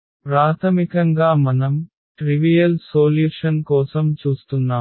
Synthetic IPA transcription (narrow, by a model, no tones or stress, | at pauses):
pɾaːt̪ʰɐmikɐŋɡaːmɐnɐm | ʈɾiʋijɐlsoːljuːʂɐnkɔːsɐmt͡ʃuːst̪unːaːm